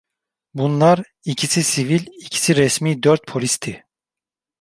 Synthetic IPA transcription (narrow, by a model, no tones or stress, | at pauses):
bunlˠaɾ | icʰisisivilʲicʰi̥siɾɛsmiːd̪øɾt̪̚pʰo̞lʲist̪ʰi